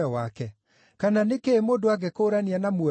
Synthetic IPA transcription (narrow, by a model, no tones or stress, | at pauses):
ɔwakɛ | kananekeːmoːndoaɡekoɾanianamwɔ